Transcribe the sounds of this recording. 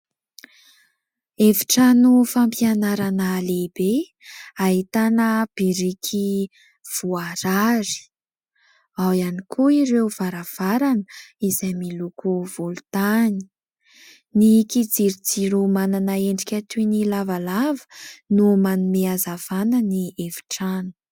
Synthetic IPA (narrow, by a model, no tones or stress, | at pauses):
evi̥ʈ͡ʂanufampianaɾanəlebe | aɦit̪anəb̥iɾikʰi | v̥uaɾaɾi̥ | awianikʰuiɾewv̥aɾav̥aɾanəizajmilukʰuvulut̪ani̥ | nikid͡ziɾid͡ziɾumananaeɳɖ͡ʐikʲat̪inilavalavə̥numanumeazav̥anənievi̥ʈ͡ʂanu̥